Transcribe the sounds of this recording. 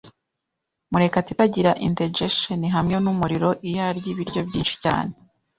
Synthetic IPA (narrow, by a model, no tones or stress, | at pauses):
muɾe̞katitaɟiɾaʔinted͡ʒeʃoniɦamɲonumuɾiɾo̞ʔijaɾɟiβiɾɟo̞bɟiːnʃi̥ca̰ːne